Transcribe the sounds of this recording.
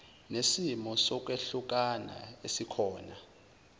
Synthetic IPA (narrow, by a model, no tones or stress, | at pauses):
nesimɔsɔk̬ʼweɬuk̬ʼana̰esikʰɔːna